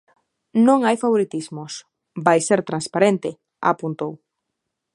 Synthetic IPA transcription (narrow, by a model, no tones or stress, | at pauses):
nõŋajfaβoɾit̪izmʊs | bajseɾt̪ɾanspaɾent̪ɪ | a̰punt̪ow